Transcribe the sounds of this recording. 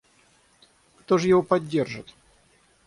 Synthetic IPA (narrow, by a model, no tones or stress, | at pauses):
kt̪oʐɨjɪvopɐdʲːerʐɨ̰t̪